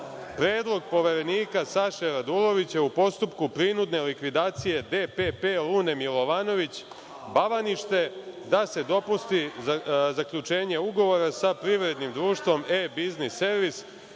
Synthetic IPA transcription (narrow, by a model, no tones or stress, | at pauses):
pɾeːd̪lˠo̞ɡ̚po̞ʋeɾeniːkasaʃeɾad̪ulˠo̞ʋit͡ɕeupo̞st̪upkupɾinud̪ne̞likʋid̪aːt̪sije̞d̪epe̞pe̞luːne̞milˠo̞ʋaːno̞ʋit͡ɕ | baʋaniʃt̪e̞d̪ase̞d̪o̞pust̪izakʎut͡ʃe̞ːɲe̞uɡo̞ʋo̞ɾasapɾiʋɾe̞d̪nimd̪ɾuːʃt̪ʋo̞mebiznisːe̞ɾʋis